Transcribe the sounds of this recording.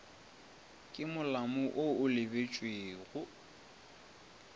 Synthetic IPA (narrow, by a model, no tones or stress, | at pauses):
kʼɪmʊlamʊʔoʊlɪbet͡ʃʼweːɣʊ